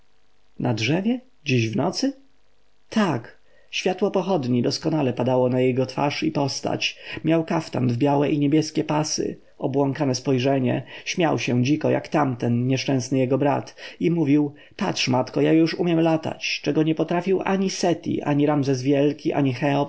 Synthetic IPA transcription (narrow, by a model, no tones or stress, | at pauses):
nadʐɛvʲjɛ | d͡ʑiʑvnɔt̪sɘ | t̪ʰak | ɕfʲjat̪wɔpɔxɔd̪ɲid̪ɔskɔnalɛpad̪awɔnajɛɡɔt̪fa̰ʂipɔst̪a̰t͡ɕmʲjawkaft̪a̰nvbʲjawɛʔiɲebʲjɛskʲɛpasɘ̰ | ɔbwɔŋkanɛspɔjʐɛɲɛ̰ɕmʲjawɕɛd͡ʑikɔja̰kt̪amt̪ɛnɲɛʂt͡ʂɛ̃w̃snɘjɛɡɔbɾa̰t̪imuvʲiw | patʂmat̪kɔjajuʂumʲjɛmlat̪a̰t͡ɕt͡ʂɛɡɔɲɛpɔt̪ɾafʲiwʔaɲisɛt̪ʲḭʔa̰ɲiɾamzɛzvʲjɛlkʲiʔa̰ɲixɛɔp